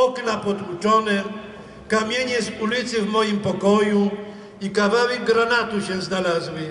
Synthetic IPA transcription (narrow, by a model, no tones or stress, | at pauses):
ɔknapɔd̪ut͡ʂɔnɛ | kamʲjeɲɛsulʲit̪sɘvmɔjimpɔkɔju | ikavawɛɡɡɾanat̪uɕɛ̃znalazwɘ